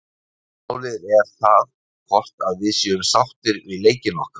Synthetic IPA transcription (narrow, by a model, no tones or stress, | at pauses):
mawlɪːðɾɛɾ̥θað | kʰɔr̥t̪aðvɪðsjœʏmsawt̪ɪɾvɪleːjcɪnɔhkḁ